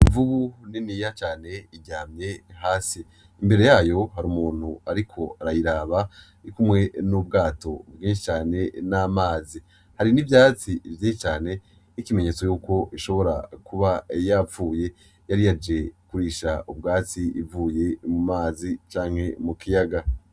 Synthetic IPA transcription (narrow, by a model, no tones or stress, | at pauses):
iɱvuβuninijat͡ʃaːne̞iɟaːmɲe̞ɦaːsiː | mbe̞ɾe̞jaːjo̞ɦaɾuːmuːn̥huaɾikʰo̞aɾajiɾaβa | ikumŋe̞nubɡaːto̞bɡĩːnʃ̬it͡ʃaːne̞namaːzi | haɾinivjaːt͡sivjiːʃit͡ʃaːne̞ | ikime̞ɲe̞t͡so̞juːko̞ʔiʃo̞βo̞ɾa̰kuβajavuːje̞ | jaɾijad͡ʒe̞kuɾiːʃaʔub̚ɡaːt͡siʔivuːje̞mumaːzit͡ʃaːŋ̥he̞mukʰijaɡa